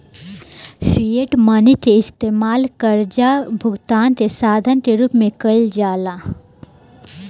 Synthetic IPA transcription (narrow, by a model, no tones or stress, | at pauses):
fieʈməniʈ̪eɪst̪eːmaːlkəɾd͡ʒabʱʊɡt̪aːnt̪esaːd̪ʱənt̪eɾupmẽkəɪld͡ʒaːla